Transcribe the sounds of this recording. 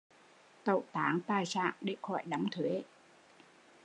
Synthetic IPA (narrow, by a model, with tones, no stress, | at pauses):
t̪ə̰˧˨˩wt̪aː˨˦ŋt̪aː˧˩jsa̰ː˧˨ŋɗe˧˩xɔ̰˧˩jɗa˨˦ŋ͡mt̪ʰwe˨˦